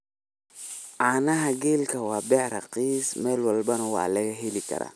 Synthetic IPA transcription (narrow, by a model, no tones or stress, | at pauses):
ʕaːnɐɦɐɡɛːlkʰɐwɑːbɛħɾɐqiːsmɛːlwɐlbɐnɐwɑ̰ːlɐɣɐɦɛlɪkʰɐ̰ɾa̰ː